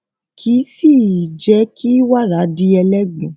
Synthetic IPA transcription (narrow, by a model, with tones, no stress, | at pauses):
kʰi˨˦si˦˨d͡ʒɛ˨˦kʰi˦wa˦˨ɾa˨˦di˦ɛ˧lɛ˦ɡ͡bũ˨˦